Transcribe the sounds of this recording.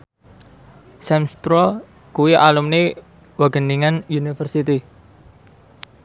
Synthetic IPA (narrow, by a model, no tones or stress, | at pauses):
sɛmspɾɔ | kuwiʔalumne | waɡ̥əniŋanjunifərsit̪i